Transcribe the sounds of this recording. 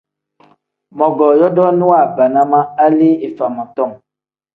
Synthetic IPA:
mɔ̃˨ɡɔ˨jɔ˦dɔ˦nũ˦a˦˨ba˨nã˦mã˦a˦li˦e˨fa˨mɔ̃˨t̪ɔ˦˨ŋ

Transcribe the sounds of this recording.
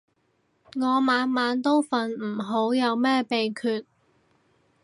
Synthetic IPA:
ŋɔː˨˧maː˨˧nmaː˨˧nt̪o˥wfɐ˨nm̩˨˩ɦo˨˥wjɐ˨˧wmɛː˥pe˨jkʰyː˨˧t̚

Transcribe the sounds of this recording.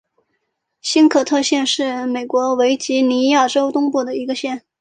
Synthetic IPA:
ɕi˥nkʰɤ˨˩t̪ʰɤ˥˧ɕjɛ˥˧nʂɻ̩˥˩me˨˩ɪkwɔ˧˥we˧˥ɪt͡ɕi˧˥ni˧˥ja˥˩ʈ͡ʂo˥ʊt̪ʊ˥ŋpu˥˩d̪ə˩i˧˥ɡə˧ɕjɛ˥˩n

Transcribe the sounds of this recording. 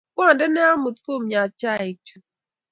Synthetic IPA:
kʷɔ˦˨n˨dɪ˦ne˦a˦mʊ˨tko˦˨m̩˨ɲa˨t͡ʃa˦˨i˨t͡ʃu˨

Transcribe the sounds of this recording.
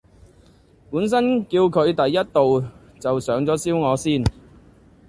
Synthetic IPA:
puː˨˥ns̬ɐ˥nkiː˧wkʰɵ˨˧ɥt̪ɐ˨jːɐ˥t̚t̪o˨w | t͡sɐ˨wsœː˨˥ŋt͡sɔː˨˥siː˥wŋɔː˨˧siː˥˩n

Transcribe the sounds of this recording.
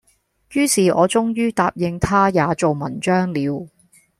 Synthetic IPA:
jyː˥siː˨ʔɔ̰ː˨˧t͡sʊ˥ŋjyː˥t̪aː˨p̚jɪ˧ŋt̪ʰaː˥jaː˨˧t͡so˨wmɐ˨˩nt͡ʃœː˥ŋliː˨˧w

